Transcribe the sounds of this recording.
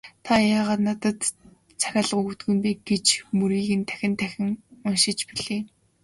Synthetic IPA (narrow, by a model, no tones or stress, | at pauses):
t̪ʰajaːʁaːt̪nat̪ə̆t̪ | t͡sʰaxʲaːɮəʁuɣut̪ɡɵ̆mpeːɡet͡ɕmɵɾiːɣɘ̆nt̪ʰæ̥xʲɪ̆nt̪ʰæxʲɪ̆ŋʊnʃɪ̆t͡ɕpiɮeː